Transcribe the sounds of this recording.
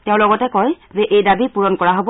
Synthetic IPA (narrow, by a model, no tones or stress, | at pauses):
tɛʊ̃lɔɡɔtɛkɔj | zɛʔejdabipuɹɔnkɔɹaɦob